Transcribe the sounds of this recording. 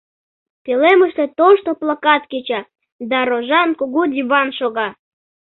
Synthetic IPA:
peleməʃt̪et̪oʃt̪oplakɑt̪ket͡ɕɑ | d̪ɑɾoʒɑnkuɣudʲiβɑnʃoɣɑ

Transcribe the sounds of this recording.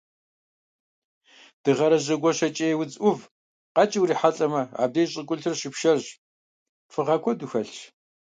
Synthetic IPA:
d̥ɨʁɐɾɐʑɐɡʷɔɕɐt͡ʃʼeːwʊt͡sʼʔʊv | qɑt͡ʃʼɪwɾiːħaɬʼɐmɐa̰ːb̚deːɕʼɪkʷʼʊɮtʰɨrɕɪpʃɐrʑ | fɨʁɐkʷʰɔduxɐɬ

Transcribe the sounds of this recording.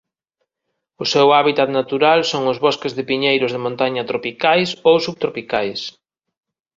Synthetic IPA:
ʊsɛwaβit̪at̪nat̪uɾalsoŋʊzβɔskezðɪpiɲejɾʊzðemõnt̪aɲɐt̪ɾopikajsowsuβ̚t̪ɾopikajs

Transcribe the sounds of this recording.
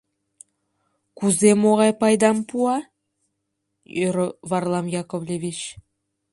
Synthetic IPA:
kuzemoʁɑjpɑjd̪ɑmpʰuɑ | ɾvarlˠɑmjakovlʲevʲit͡ʃ

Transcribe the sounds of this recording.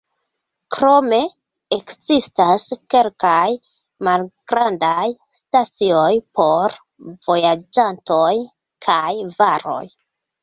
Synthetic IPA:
kɾo̞me̞ | ekzistaske̞lkaj | malɡ̥ɾandaj | stat͡sio̞jpo̞ɾ | v̥o̞jad͡ʒanto̞j | kʰajvaɾo̞̰j

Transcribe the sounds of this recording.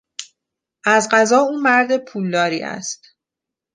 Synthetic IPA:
ʔæzɢæzɒːuːmæɾd̪e̞pʰuːld̪ɒːɾḭːæ̰st̪

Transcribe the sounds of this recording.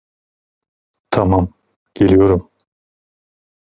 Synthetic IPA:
t̪ʰɑmɑm | ɡ̥elijoɾum

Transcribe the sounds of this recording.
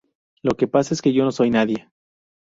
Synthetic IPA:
lo̞ke̞pasaeskeʝo̞no̞so̞jnaðje̞

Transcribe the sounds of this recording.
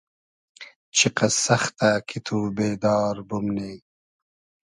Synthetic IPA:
t͡ɕʰiqɐsɐxt̪akʰit̪ʰuːbeːd̪ɑːɾbumneː

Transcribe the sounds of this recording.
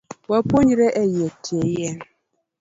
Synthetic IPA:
wapoɲiɾeʔejetʰejɛ

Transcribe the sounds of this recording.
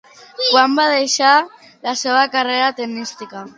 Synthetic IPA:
kwambaðejʃa | laseβakareɾat̪ennist̪ika

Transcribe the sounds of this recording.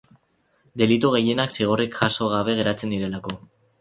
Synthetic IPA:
d̪e̞lit̪uɣ̞e̞je̞naksiɣ̞o̞rikxaso̞ɣ̞aβ̞e̞ɣe̞ɾat͡se̞nd̪iɾe̞lako̞

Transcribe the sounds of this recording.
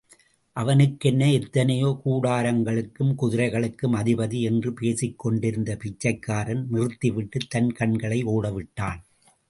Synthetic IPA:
ʔɐʋɐnɯkːɛnːɐɛt̪ːɐnɐjoːkuːɽaːɾɐŋɡɐɭɯkːɯmkʊðɪɾɐɪɣɐɭɯkːɯmɐðɪbɐðiɛndrɯpeːsɪkːɔɳɖɪɾɯnd̪ɐpɪt͡ʃːɐɪkːaːɾɐnnɪrɯt̪ːɪʋɪʈːɯt̪ːɐnkɐɳɡɐɭɐɪoːɽɐʋɪʈːaːn

